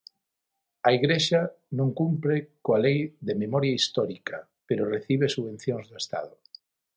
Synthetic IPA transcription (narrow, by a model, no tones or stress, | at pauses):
aiɣɾeʃa | nõŋkumpɾekoalejðememɔɾjaist̪ɔɾika | peɾoreθiβ̞esuβẽn̟θjoŋzðoest̪a̰ðo